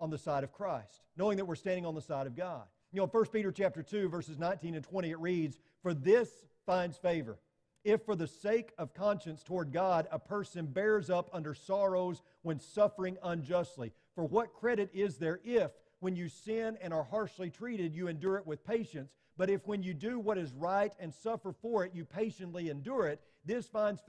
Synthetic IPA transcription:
ə̃nðɨsaɪɾʌv̥kʰɹ̥aɪstnoʊɪ̃ŋðɨt̚wɨɹstæ̃ndɪ̃ŋə̃nðəsaɪɾʌvɡɑd̥̚ | oʊ̃nfɜ˞st̚piɾə˞t͡ʃʰæp̚tə˞tʰʉvɜ˞sɨznãɪ̃ntĩnɨ̃ntʰw̥ɛ̃ɾ̃iɨt̚ɹidz̥ | fə˞ðɪs | fãɪ̃ndz̥feɪvə̰˞ | ɪfə˞ðɨseɪkʌv̥kʰɑ̃nʃɨ̃nstʰɔɹd̚ɡɑɾəpʰɜ˞sɨ̃nbɛɹzʌpʌ̃ndə˞sɑɹoʊz | wɨ̃nsʌfə˞ɪ̃ŋə̃nd͡ʒʌstˡlḭ | fə˞wʌt̚kʰɹ̥ɛɾɨɾɪzðə˞ʔɪf | wɨ̃njɨsɪ̃nɨ̃ñə˞hɑɹʃlitʰɹ̥iɾɨdjɨɨ̃ndʊɹɨt̚wɨð̥pʰeɪʃɨ̃nts | b̥ʌɾɨfwɨ̃njɨdɨwʌɾɨzɹaɪɾɨ̃nsʌfə˞fə˞ɪtjɨpʰeɪʃɨ̃nʔliɨ̃ndʊɹɪt̪̚ | ðɪsfãɪ̃ndz̥

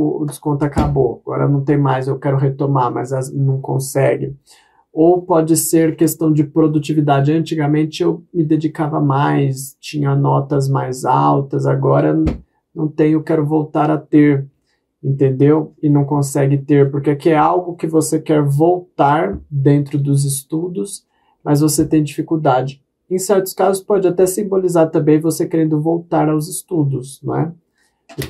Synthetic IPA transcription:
ʊʊ̰d͡ʒɪskõnt̪ʊakaboaɡ̥ɔ̰ɾɐ̰nɐ̃w̃t̪ẽj̃majzewkɛɾʊɦet̪omaɾmɐ̰zɐnɐ̃w̃kõ̰sɛɡɪ | owpɔd͡ʒɪseɾkest̪ɐ̃w̃d͡ʒɪpɾod̪ut͡ʃivid̪ad͡ʒɪɐ̃nt͡ʃiɡɐmẽnt͡ʃɪewmɪd̪ed͡ʒikavɐmajst͡ʃĩɲɐnɔt̪ɐzmajzawt̪ɐzaɡɔɾɐ | nɐ̃w̃t̪ẽj̃ʊkɛɾʊvowt̪aɾɐt̪eɾ | ẽnt̪ẽnd̪ewɪnɐ̃w̃kõsɛɡɪt̪eɾpoɾkekɪɛawɡʊkɪvosekɛɾvowt̪aɾd̪ẽnt̪ɾʊd̪ʊzɪst̪ud̪ʊs | mɐzvoset̪ẽj̃d͡ʒifikuwd̪ad͡ʒɪ | ẽj̃sɛɾt̪ʊ̥skazʊspɔd͡ʒɪat̪ɛsĩmbolizaɾt̪ɐ̃mbẽj̃vosekeɾẽnd̪ʊvowt̪aɾawzɪst̪ud̪ʊsnwɛ̰

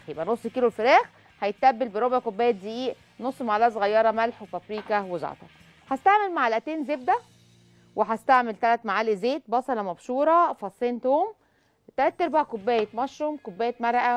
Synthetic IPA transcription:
jebʔænosˤːkiːlolfeɾæːx | ħæjet̪ʔæbːelbeɾobʕkobːæːjet̪̚zeʔiːʔ | nosˤːmaʕlæːs̬ˤɣɑjːɑɾˤɑmælħwefæbɾiːkæwezɑ̰ʕt̪ˤɑ̰ | ħæst̪aʕmelmaʕalæʔæt̪eːnzeb̚d̪æ | weħæst̪aʕmelt̪ælæt̪maʕaːlizeːt̪̚bɑsˤɑlɑmɑbʃuːɾˤɑfɑsˤːeːnt̪oːm | t̪ælæt̪ːʔeɾbaʕkobːæːjet̪mɑʃɾomkobːæːjet̪mæɾˤʔæ

